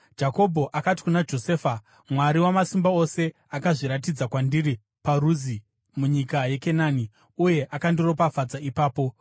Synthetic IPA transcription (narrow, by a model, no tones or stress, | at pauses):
d͡ʒako̞bʱo̞ʔakati̥kunad͡ʒo̞se̞ːfa | mwaɾiwamasimbao̞se̞ | akaʐiɾat̬id͡zakwandiɾi | paruzi | muɲikaje̞kenaːni | uje̞ʔakandiro̞p̬afad͡zaipaːpo̞